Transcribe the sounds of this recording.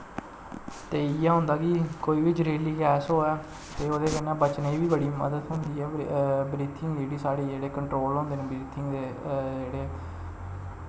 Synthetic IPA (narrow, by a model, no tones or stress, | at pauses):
t̪eːɪjaːɦʊ̃nd̪aːkiːkoːiːʋɪt͡ʃɾeːliːkɛːsɦoːɛː | t̪eːoːd̪eːkənɛːbət͡ʃneiːʋiːbəɽiːmə̰d̪əd̪ɦʊ̃nd̪iːɛːbɾiːt̪ʰɪŋɡd͡ʒeːɽiːsaːɽiːd͡ʒeːɽeːkəɳʈɾoːlɦõːnd̪eːnẽːbɾiːt̪ʰɪŋɡd̪eː | d͡ʒeːɽeː